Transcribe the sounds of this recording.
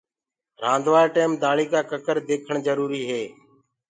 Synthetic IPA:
ɾãːnd̪ʋaːɾʈeːmd̪aːɭiːkaːkəkəɾd̪eːkʰəɳzəɾuːɾiːɦeː

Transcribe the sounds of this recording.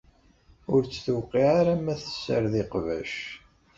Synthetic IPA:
ʊɾt͡sːθuwqːiʕaɾamæθə̥sːə̰ɾðiqvæ̰ʃ

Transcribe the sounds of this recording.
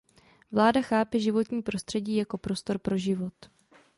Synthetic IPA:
vlaːdaxaːpɪʒɪvo̞t̪ɲiːpɾo̞st̪r̥ɛɟiːjako̞pɾo̞st̪o̞ɾpɾo̞ʒɪvo̞t̪

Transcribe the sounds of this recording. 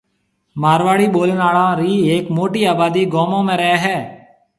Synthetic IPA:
maːɾʋaːɽiːɓoːlenaːɭãːɾiːeːkmoːʈiːaːbaːd̪iːɡoːmõːmẽːɾəɦːɦɛː

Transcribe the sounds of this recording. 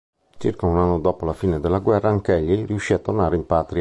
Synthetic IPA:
t͡ʃirkaunanːod̪ɔːpolafiːned̪elːaɡwɛrːaaŋkɛʎːiɾiuʃːiːat̪ːornaːɾeimpaːt̪ɾi

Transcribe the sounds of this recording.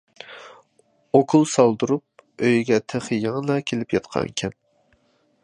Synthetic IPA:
okʰulˠsɑlˠd̪uɾup̚øjɡʲɛt̪ʰeχəjeŋlˠɑkʲʰelɪpjɑt̪qʰɑ̰ŋkʲʰɛn

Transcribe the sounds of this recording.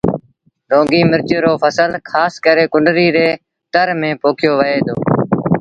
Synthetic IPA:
ɾõːɡiːmɪɾt͡ʃːɾoːpʰəsəlkʰaːskəɾeːkʊɳɖɾiːɾeː | t̪əɾmẽːpoːkʰɪjoːʋəeːd̪oː

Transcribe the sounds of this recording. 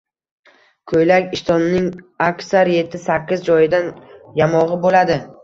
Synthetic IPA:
kʰojlakʲɪʃt̪ɒnɪnɪŋ | akʲsaɾje̞t̪ʰːɪsakʲːɪzd͡ʒɒjɪd̪anjamɒʁɨbolad̪ɪ

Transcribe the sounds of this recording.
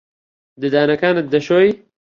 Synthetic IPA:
d̪ɨd̪aːnɐkaːnɨt̪̚d̪ɐʃoːj

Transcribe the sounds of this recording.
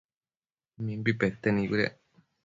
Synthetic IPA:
mĩmbipet̪ːenĩβiɾḛ

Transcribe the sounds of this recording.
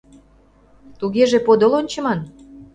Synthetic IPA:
t̪uɣeʒepod̪olonʲt͡ɕə̆mɑn

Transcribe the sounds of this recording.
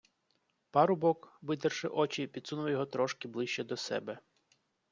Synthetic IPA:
pɑɾʊbɔkʋɪt̪ɐrʃɪʔɔt͡ʃipʲid̪sunʊʋɐjɔɦɔt̪ɾɔʃkɪblˠɪʃt͡ʃɛd̪ɔsɛ̰bɛ

